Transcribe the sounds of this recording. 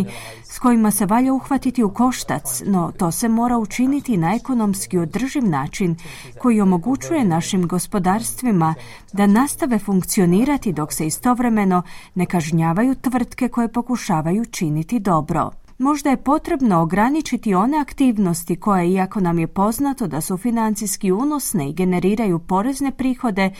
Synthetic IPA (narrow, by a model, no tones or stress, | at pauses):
sko̞jimase̞ʋaʎauxʋat̪it̪iuko̞ʃt̪a̰t̪sno̞t̪o̞ːse̞mo̞ːɾaut͡ʃinit̪inae̞ko̞no̞mskio̞d̪r̩ʒiʋnaːt͡ʃin | ko̞jio̞mo̞ɡut͡ɕuje̞naʃimɡo̞spo̞d̪aːɾst̪ʋima | d̪anast̪aʋe̞fuŋkt̪sio̞niːɾat̪id̪o̞kse̞ist̪o̞ʋɾe̞me̞no̞ne̞kaʒɲaːʋajut̪ʋr̩t̪ke̞ko̞je̞po̞kuʃaːʋajut͡ʃinit̪id̪o̞bɾo̞̰ | mo̞ʒd̪aje̞po̞t̪ɾe̞bno̞ːɡɾanit͡ʃit̪io̞ne̞akt̪iːʋno̞st̪iko̞jeiako̞namje̞po̞znat̪o̞d̪asufinant̪siskiuno̞sne̞iɡe̞ne̞ɾiːɾajupo̞ɾe̞zne̞pɾiːxo̞d̪e̞